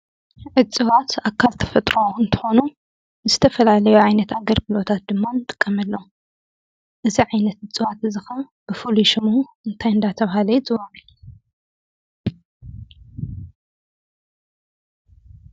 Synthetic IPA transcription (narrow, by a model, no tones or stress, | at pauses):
ʕɨt͡sʼɨwat̪akʰːalt̪ʰɐ̥fɐt̪ʼɾoɨnt̪ʰɨ̥xo̞nu | zɨt̪ʰɐfɐlalɐjuʕajnɐt̪aɡɐɾbɨlot̪ʰat̪̚d̪ɨmːanɨt̪ʼɨ̥kʼːɐmɐlːo̞ | ʔɨziʕajnɐt̪ʕɨt͡sʼɨwat̪ɨzɨxɐ | b̥ɨfuluʃɪmu | ɨnt̪ʰajɨnd̪at̪ʰɐβhalɐjzɨwaʕɨl